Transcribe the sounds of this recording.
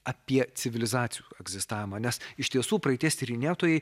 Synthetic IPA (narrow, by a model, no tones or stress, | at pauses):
ɐpʲiɛt͡s̪ʲɪʋʲɪlʲɪzɑːt̪sʲɪjuːɛɡzʲɪst̪ɑːʋʲɪmɑːnʲɛsɪʃt̪ʲiɛsuːpɾɐɛɪt̪ʲiɛsʲt̪ʲɪɾʲɪnʲeːt̪oːjɛɪ